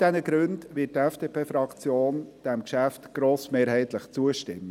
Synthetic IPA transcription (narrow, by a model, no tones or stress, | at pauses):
d̥ɛnəɡ̥ɾʉndʋɪːt̚tɛfd̥eːpʰeːfɾɑkt͡sjoːnd̥ɛmkʃæftɡ̥ɾoːsmeːɾɦɛɪt̪ləχt͡suəʃtɪmːə